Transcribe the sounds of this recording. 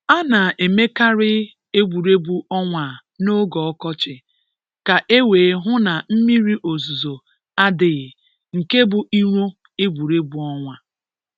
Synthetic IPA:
a˦na˨e˨me˦ka˦ɾɪ˦ | e˦ɡ͡bʷu˨ɾe˦bu˦ʔɔ˦ŋʷa˨ | no˦ɡɔ˨ɔ˦kɔ˦t͡ʃɪ˨ | ka˨ʔe˦weː˨˦ɦʊ˦na˨m̩˦mi˦ɾi˦ʔo˨zu˨zo˨ | a˦dɪ˨ɣ | ŋ̩˨ke˦bʊ˨ʔi˦ɾʷo˦ | e˦ɡ͡bu˨ɾe˦bu˨ɔ˦ŋʷa˨

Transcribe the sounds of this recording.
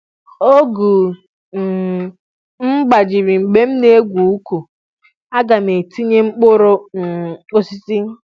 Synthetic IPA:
o˦ɡu˨ | m̩˦ɡ͡ba˨d͡ʒɪ˨ɾi˨ŋ͡m̩˨ɡ͡be˦m̩˦ne˦e˦ɡʷu˨u˦ku˨ | a˦ɡa˨m˨e˨ti˦ɲe˦ŋ͡m̩˦k͡pʊ˦ɾo˦˨ | o˦si˦si˦

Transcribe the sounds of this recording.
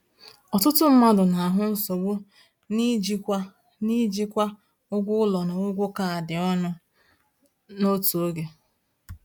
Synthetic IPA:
ɔ˨tʊ˦tʊ˦m̩˦ma˦dʊ˨na˨a˨ɦʊ˦n̩˦so˨ɡ͡bʊ˦ | ni˦d͡ʒi˦kʷa˦ | ni˦d͡ʒi˦kʷa˦ | ʊ˦ɡʷʊ˦ʊ˦lɔ˨na˨ʊ˦ɡʷʊ˦ka˨a˨dɪ˨ɔ˦nʊ˦ | no˦tu˨o˦ɡe˨

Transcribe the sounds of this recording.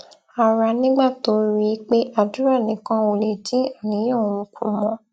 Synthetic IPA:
a˨ɾa˨˧nĩ˦ɡ͡ba˦˨to˨˦ɾi˦k͡pe˦ʔa˦˨du˨˦ɾa˦˨nĩ˨˦kã˦o˧˨le˨d͡ʒĩ˦a˦˨nĩ˨˦ɔ̃˦˨mũ˨kʰṵ̃˨˦mɔ̃˨˧˦

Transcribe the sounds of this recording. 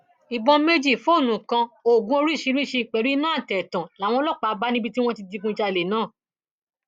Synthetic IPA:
i˨bɔ̃˧me˦d͡ʒi˦˨fo˦˨nũ˨˦˨kã˧o˨ɡũ˦o˧ɾi˦˨ʃi˧˦ɾi˦˨ʃi˧k͡pɛ˨ɾu˨˦nãː˦˨tɛ˨tã˨la˨˦w̃ɔ̃˧˦lɔ˦˨k͡pa˨˧ba˦nĩ˦bi˧ti˦w̃ɔ̃˦ti˧di˧kũ˧˦ʃa˧i˧˨le˨nãː˦˨

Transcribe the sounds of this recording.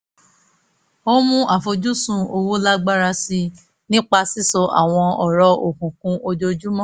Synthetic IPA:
o˦mũ˦ʔa˨fo˧d͡ʒu˦sũ˦˧o˧wo˦la˦ɡ͡ba˦ɾa˧si˧ | nĩ˦k͡pa˧si˦˨sɔ˧ʔa̰˦˨w̃ɔ̃˧ɔ˨ɾɔ˧˦o˨kũ˨kũ˧ʔo˧d͡ʒo˧d͡ʒu˦mɔ̃˦˨

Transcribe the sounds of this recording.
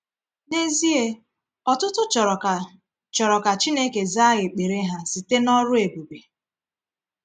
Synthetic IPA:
ne˦zi˦e˦ | ɔ˨tʊ˦tʊ˦t͡ʃ | t͡ʃɔ˨ɾɔ˨ka˨t͡ʃi˦ne˦ke˨za˦ɣɪ˨k͡pe˨ɾe˦ɦa˨si˨te˦nɔ˦ɾʊ˦e˨bu˨be˨

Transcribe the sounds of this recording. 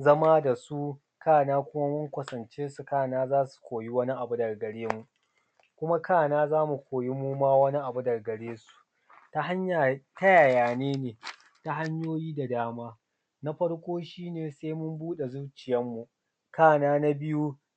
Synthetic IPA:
zɐ˦maː˦da˨su˦ | kaː˦˨naː˦kʷʊ˦ma˦mʊ˦ŋkʷɐ˨sɐ˨nt͡ʃeː˦su˨kaː˦˨naː˦zaː˦su̥˨kʷoː˨ji˦wɐ˦ni˦ʔa˨bu˦dɐ˨rɡɐ˨ɽeː˦mu˨ | kʷʊ˦ma˦kaː˦˨naː˦zaː˦mu˨kʷʰoː˨ji˦muː˦maː˦wɐ˦ni˦ʔa˨bu˦dɐ˨rɡɐ˨ɽeː˦su̥˨ | ta˦ha˦ɲa˨ta˦jaː˨jaː˨neː˦neː˨ | ta˦ɦa˦ɲjoː˦jiː˦da˨daː˦maː˦ | na˦ɸɐ˦ɽkʷʼoː˦ʃiː˦neː˨se˦mʊ˦mbuː˦ɗe˨zu˦t͡ʃɪ˨jɐ˦mːu˨ | kaː˦˨naː˦na˦bɪ˦ju˦

